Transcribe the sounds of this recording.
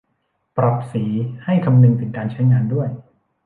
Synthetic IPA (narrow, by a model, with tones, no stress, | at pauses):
pɾa˨˩p̚siː˩˦ha˥˩jkʰa˧mnɯ˧ŋt̪ʰɯ˩˦ŋkaː˧nt͡ɕʰa˦˥jŋaː˧ndu˥˩əj